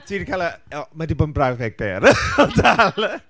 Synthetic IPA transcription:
tʰidikʰalaɛmadibodnbrawðɛɡ̚b̥ɛɾɔtʰal

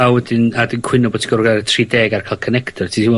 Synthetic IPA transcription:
awɛdɪnnadənkʰw̥ɪnɔboːtʰi̥ɡɔrɡatʰriːdɛːɡarkʰalˠkʰənɛktʰɔrtʰiim

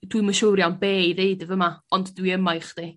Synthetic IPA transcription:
d̥wiməʃowɾjawnbeːɨðeɨdəvəmaɔnddwiəmajχd̥i

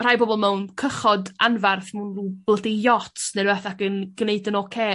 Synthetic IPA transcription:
r̥ajbɔbɔlˠmɛwnkʰəχɔdanvarθmunruːb̥lədejɔtʰneɾɛθakənɡ̥neɨdənɔkʰeː

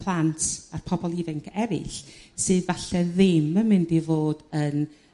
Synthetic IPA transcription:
pʰlˠantʰarpʰɔbɔlˠivɪŋkʰɛɾɪ̰ɬsɨːðvaɬɛðɪmːəmɪndivoːd̥ən

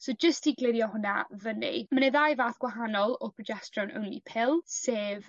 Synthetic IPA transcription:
sowd͡ʒəstiɡlˠɪɾjɔhʊna̰vənḭmanɛðajvaːθɡ̥waɦanɔlˠɔpʰrɔd͡ʒɛstrɔnʔə̰wnlḭpʰɪlˠseːv

